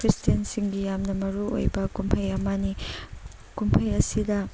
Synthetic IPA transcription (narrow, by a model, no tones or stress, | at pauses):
kɾistijɐnsiŋɡijamnɐmɐɾuo̰jbɐkumpʰɐjɐmani | kumpʰɐjɐsidɐ